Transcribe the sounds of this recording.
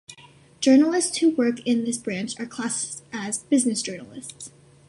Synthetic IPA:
d̥ʒ̥ɜ˞nl̩ˠɪstshuwɜ˞kɪ̃nðɪsb̥ɹæ̃nt͡ʃə˞kʰl̥æsɨzbɪznɨsd̥ʒ̥ɜ˞nl̩ˠɪ̰sts

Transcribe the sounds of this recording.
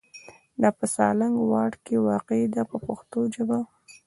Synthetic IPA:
napəsɑ̰laŋɡwɑʈkewɑqed̪apəpəxt̪od͡ʒaba

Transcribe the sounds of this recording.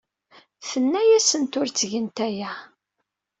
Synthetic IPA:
θənːæjæsənt̪ʊɾt͡sːʝənt̪æjæ

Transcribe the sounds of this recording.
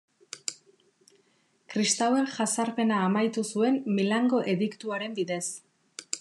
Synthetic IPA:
kɾist̪awe̞ŋʝasaɾpe̞naːmajt̪usue̞mːilaŋɡo̞ʔe̞ðikt̪uaɾe̞mbiðe̞s

